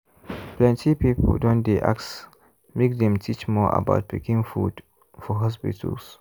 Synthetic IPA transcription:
plɛ̃ntʰipipldɔ̃ndeʔa̰ks | mekdɛ̃mtʰit͡ʃmɔʔa̰ba̰ʊt̚pikĩŋfud | fɔɦɔspḭtʰə̰ls

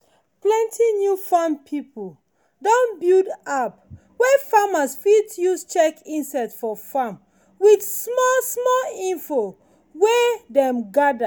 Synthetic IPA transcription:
plɛ̃ntʰinjufampʰipʰul | dɔ̃nbildap | wefamasfidjust͡ʃɛkĩnsatfɔfam | widsmɔsmɔlĩnfo | wedɛ̃mɡada

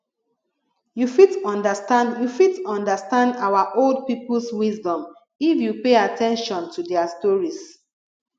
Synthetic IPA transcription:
jufitɔ̃ndəstãndjufitɔ̃ndastãndawaʔold̚piplswisdɔ̃m | ifjupeatɛ̃nʃɔ̃ntudɛastɔɹis

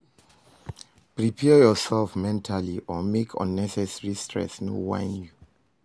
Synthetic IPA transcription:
pɹipʰɛjɔsɛlfmɛ̃ntʰaliʔɔmekʰɔ̰̃nːɛsɛsɹistʰɹɛ̰sno̰wã̰ɪ̃nju

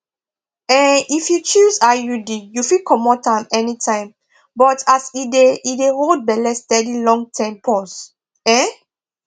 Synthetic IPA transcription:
ɛ̃nifjut͡ʃusajudijufikʰɔmɔtãmɛnitʰãɪ̃m | bɔtasideideɹod̚bɛlɛstɛdilɔ̃ŋtʰɛ̃mpʰɔs | ɛ̃

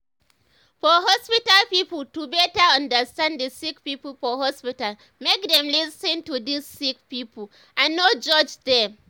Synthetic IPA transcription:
fɔɦɔspɪtalpiːpəltubɛtaɐ̃ndəstãnddəsɪk̚piːpəlfɔɦɔspɪtal | mɛk̚dɛ̃mlɪsɪ̃ntudisːɪk̚piːpʊ | ʔãnːod͡ʒɔd͡ʒdɛ

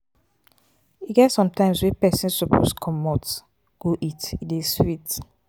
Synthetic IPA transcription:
iɡɛtsɔ̃mtãɪ̃mswɛpɛsĩnsɔpʰo̰skʰɔmɔt | ɡ̥oʔitideswit

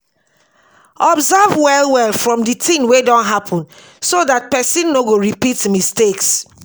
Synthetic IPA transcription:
ʔɔbzavwɛlwɛlˠfɹɔ̃mditʰĩnwedɔ̃ntɦapʰɔ̃n | soðat̚pɛsĩnːoɡoɹipitmisteks

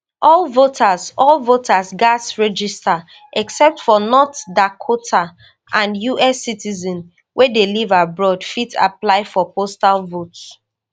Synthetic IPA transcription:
ʔɔlvotʰasɔlvotʰasɡadsɹɛd͡ʒista | ʔɛksɛp̚tfɔnɔtdakʰotʰa | ʔãnjuɛsitizɔ̃n | wʔedelivabɹɔdfita̰plaɪfɔpostalvot

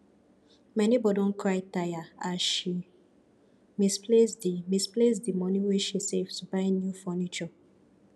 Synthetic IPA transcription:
mɛnibɔdõnkɹaɪtajaaʃi | mispʰlesdimisples̬dimɔ̃nĩweʃisevsbaɪnjufɔnit͡ʃɔ

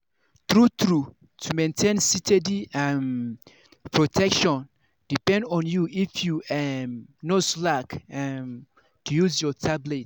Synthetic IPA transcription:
t̪ɹut̪ɹu | tʰumẽntʰẽnsitʰediɛm | pʰɹotʰɛkʃɔ̃n | d̥ipɛ̃ndɔ̃njuʔifjuɛmnoslakɛm | tʰujuzjɔtʰablet̚

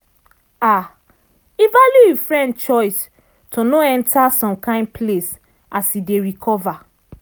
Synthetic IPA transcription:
a | ivaljuifɹɛ̃ndt͡ʃɔɪs | tʰonoɛ̃ntʰasɔ̃mkãɪ̃nd̚pʰles | asideɹikʰɔva

